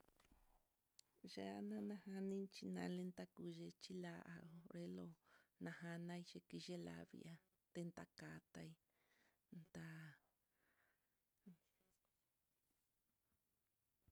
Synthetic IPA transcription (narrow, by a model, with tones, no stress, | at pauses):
ʒe˧˦a˧nã˦nã˧ha˧nĩ˦t͡ʃi˧nã̰˧le˦nt̪a˧ku˧ʒe˧t͡ʃi˦la˧ʔa˧o˧ɾe˦lo˧nã˧ha˧nã˦i˧ʒe˧ki˧ʒe˦la̰˧βḭ˧a˧ | t̪e˧nt̪a˧ka˧t̪a˧i˦ | nt̪a˧